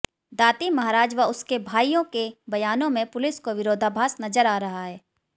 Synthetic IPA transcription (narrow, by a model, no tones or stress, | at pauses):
d̪aːt̪imɐɦaːɾaːd͡ʒʋaʊskebʱaːijõkebɐjaːnõmẽpʊlɪskoʋɪɾoːd̪ʱaːbʱaːsnɐzəɾaːɾɐɦaɦɛː